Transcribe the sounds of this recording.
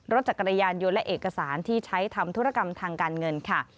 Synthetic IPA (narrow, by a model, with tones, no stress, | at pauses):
ɾo˦˥t̪̚t͡ɕa˨˩kːɾa˧jaː˧njo˧nlɛ˦˥ʔeː˨˩kːa˧saː˩˦nt̪ʰiː˥˩t͡ɕʰa˦˥jt̪ʰa˧mt̪ʰu˦˥ɾa˧˩ka˧mt̪ʰaː˧ŋkaː˧nŋɤ˧nkʰa˥˩